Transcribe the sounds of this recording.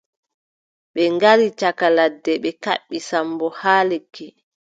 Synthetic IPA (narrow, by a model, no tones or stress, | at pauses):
ɓɛŋɡaɾit͡ʃakaladːɛɓɛka̰ɓːisambɔhaːlekʰːi